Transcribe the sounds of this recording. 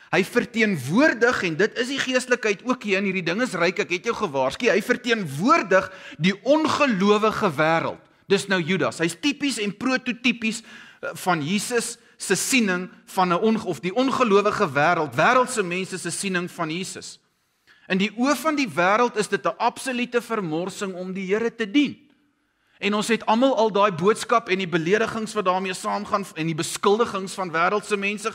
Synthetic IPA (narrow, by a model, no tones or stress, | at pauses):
ɦəjfərtiənvuərdəχɛndətəsdiχiəstləkɦəjtuəkɦiənɦiːrdidəŋəsrɛjkɛkɦɛtjəwχəvɑːrskiɦəjfərtiənvuərdəχdiʔɔnχəluəvəχəvæːɾə̰lˠt̚ | d̥əsnəwjydɑ̰sɦəjstipisɛnpruətutipisfɐnjiːsəsː | əsinəŋfɐnəɔnɔfdiʔɔnχəluəvəχəvæːɾəlˠtvæːɾəlˠtsəmɛnsəsəsinəŋfɐnjiːsəs | ʔəndiʔuəfɐndivæːɾəlˠtəsdətəʔɐpsolytəfərmɔrsəŋɔmdiɦiəɾətədin | ʔɛnɔnsɦɛtɐmɐlˠɐlˠdɑːjbuətskɐpɛndibəliəɾəχəŋsvɐt̚dɑːrmiəsɑːmχɑnɛndibəskəlˠdəχəŋsfɐnvæːɾəlˠtsəmɛnsə